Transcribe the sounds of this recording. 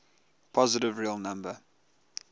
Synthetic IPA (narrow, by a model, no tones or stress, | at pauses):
pʰɔzɪtɪvɹiəlˠnãmbə